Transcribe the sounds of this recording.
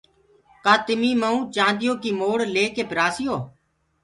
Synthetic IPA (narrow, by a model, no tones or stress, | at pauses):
kaːt̪ɪmiːməũːt͡ʃãːnd̪ɪjoːkimoːɽleːkeːpɪɾaːsɪjoː